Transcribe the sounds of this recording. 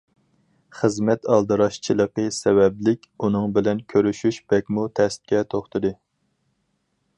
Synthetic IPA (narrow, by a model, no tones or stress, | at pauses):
χəzmɛt̪ɑlˠd̪ɨɾɑʃt͡ʃʰilˠəqəsɛvɛblɪkʲunɨŋbɪlɛnkʲʰøɾyʃyʃb̥ɛkʲmut̪ʰɛst̪̚kʲɛt̪ʰoχt̪ʰɨd̪ɨ